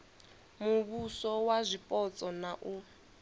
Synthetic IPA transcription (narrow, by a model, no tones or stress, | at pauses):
muβusɔwazʷipʼɔt͡sʼɔnaʔu